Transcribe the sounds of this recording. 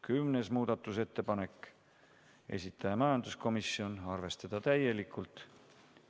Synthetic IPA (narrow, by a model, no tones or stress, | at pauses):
kymnesmuːd̪̥ɑt̪ːˑuse̞t̪ːe̞pɑne̞kː | e̞̰sʲit̪ˑːɑjɑmɑjɑnd̪̥usko̞misio̞nɑrve̞st̪ɑd̪̥ɑt̪æje̞likʰːˑult̪ˑ